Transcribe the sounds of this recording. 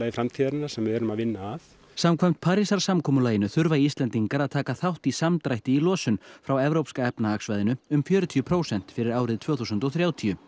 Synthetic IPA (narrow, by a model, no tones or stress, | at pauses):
ajɪfɾamt̪ʰiðaɾɪnːḁsɛmvɪðɛɾʏmaðvɪnːaːθ | samkʰvajm̥t̪̚pʰaːɾisaɾ̥samkʰɔːmʏlaːjɪnʏθʏɾvaist̪lɛnt̪iŋkaɾaðt̪ʰaːkaθawht̪isamt̪ɾajht̪ɪilɔːsʏnfɾawɛvɾowpskaɛpnaaksvajðɪnʏʏmfjœːɾʏt̪ʰiʏpʰɾoːwsɛn̥t̪fɪɾɪɾaːwɾɪðt̪ʰv̥œːθusʏnt̪ɔwθɾjaːwt̪ʰiʏ